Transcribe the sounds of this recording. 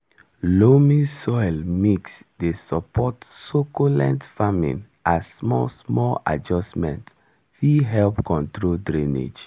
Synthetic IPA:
lomĩsɔjlmeksdesɔpʰɔtsokolɛ̰̃ntfamḭ̃n | ʔassmɔsmɔla̰d͡ʒɔsmɛ̰̃nt | fiɦɛlpkʰɔ̃ntɹoldɹĩnḛd͡ʒ

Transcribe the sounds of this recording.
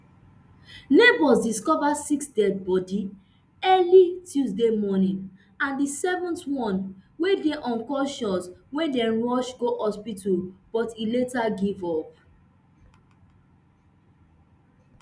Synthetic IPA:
nebɔsdiskɔvasiksdɛd̚bɔdi | ɛlitjuzdemɔnĩn | ãndisɛvɔ̃ntwɔ̃nwedeʔɔ̃nkɔʃɔ̃swɛ̃ndɛ̃nɹɔʃɡohɔspitub̥ɔtiletaɡivɔp̚

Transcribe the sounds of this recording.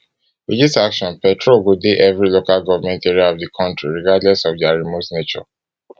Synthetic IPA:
widisakʃɔ̃npɛtʰɹolɡodeʔɛvɹilokalɡɔvamɛ̃ntɛɹiaɔvdikʰɔ̃ntɹiɹiɡadlɛsɔvdaɹimotnet͡ʃɔ̰

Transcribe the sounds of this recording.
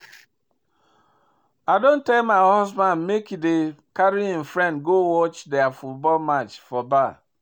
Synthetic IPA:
adon̩tekmaɪhɔsbãnmekidekaɾiɦĩm̩fɾɛ̃ndɡowɔt͡ʃdeafut̚bɔlmat͡ʃfɔba

